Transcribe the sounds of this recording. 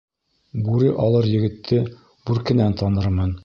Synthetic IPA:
buɾɘʔɒlˠɤɾjɘ̆ɡɘ̆t̪ʰːɘ | bʉɾkɘ̆nænt̪ɒnɤɾmɤn

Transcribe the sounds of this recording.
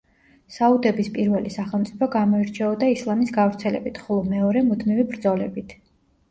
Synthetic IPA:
saud̪ɛbispʼiɾvɛlisaχɛlˠmt̪sʼipʰɔɡamɔiɾt͡ʃʰɛɔd̪aislˠamisɡavɾt̪sʰɛlɛ̰bit̪ʰχɔlˠɔmɛɔɾɛmut̪ʰmivibɾd̪zɔlɛbit̪ʰ

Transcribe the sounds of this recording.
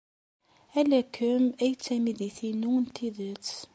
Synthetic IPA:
ælækːəmæjt͡sːæmiðiθinunt̪ːiðət͡sː

